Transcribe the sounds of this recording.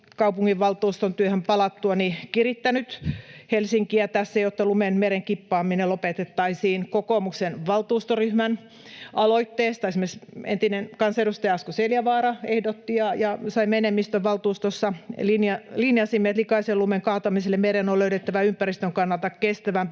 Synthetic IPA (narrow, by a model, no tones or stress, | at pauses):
kɑupuŋːiʋʋɑlt̪uːst̪ont̪yøhømpɑlɑt̪ːuɑnikirit̪ːænyt̪helsiŋkiæt̪æsːejot̪ːɑlumenmeɾeŋkipːɑːminelopet̪et̪ːɑisiːnkokomuksenʋɑlt̪uːst̪oryhmæn | ʔɑloit̪ːeːst̪ɑesimesḛnt̪inenkɑnsɑedust̪ɑjɑɑskuseljæʋɑːɾɑehdot̪ːijɑjɑsɑimenemːist̪øʋʋɑlt̪uːst̪osːɑlinjɑlinjɑsimiet̪likɑiselumeŋkɑːt̪ɑmiselːemeɾenoløytet̪ːæʋæympærist̪øŋkɑnːɑlt̪ɑkkest̪æʋæm